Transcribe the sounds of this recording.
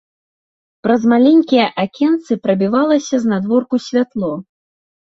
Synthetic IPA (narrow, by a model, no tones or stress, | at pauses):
pɾɐzmalʲɛnʲkʲijɐʔakʲɛnt̪sɨpɾɐbʲivalˠɐsʲɐznad̪vɔrkusʲvʲat̪lˠɔ